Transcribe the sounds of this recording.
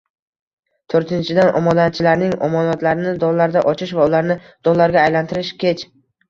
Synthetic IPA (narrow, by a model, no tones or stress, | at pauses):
t̪ʰoɾt̪ʰɪnt͡ʃʰɪd̪anʔɒ̰mɒd̪at͡ʃʰɪlaɾnɪŋɒ̰mɒnɒt̪laɾɪnɪd̪ɒllːaɾd̪aʔɒt͡ʃʰɪʃvaʊlaɾnɪd̪̥ɒllːaɾɡʲaːjlant̪ʰɪɾɪʃkʲʰet͡ʃ